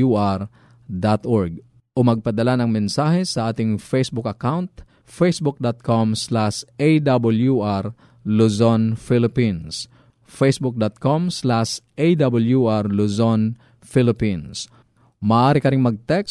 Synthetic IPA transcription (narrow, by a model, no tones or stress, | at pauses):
uʔaɾ | d̪at̪ʔoɹɡ̚ | ʔʊmɐɡ̚pɐd̪ɐlanɐŋmɛnsaːhɛsɐʔaːt̪ɪŋfejsbʊkɐkawnt̪ | fejsbʊk̚d̪at̪̚kʰomslaʃejd̪abɐljuʔaɾ | lusonfilɪpins | fɛjsbʊk̚d̪at̪̚komslaʃʔejd̪abɐljuʔaɾluson | filɪpins | mɐʔaːɾɪkɐɾɪŋmɐɡ̚t̪ɛks